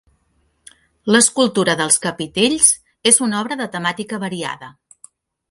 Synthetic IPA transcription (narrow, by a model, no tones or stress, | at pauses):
ləskulˠt̪uɾəðəlˠskəpit̪eʎz | ezunɔβɾəðət̪əmat̪ikəβəɾia̰ðə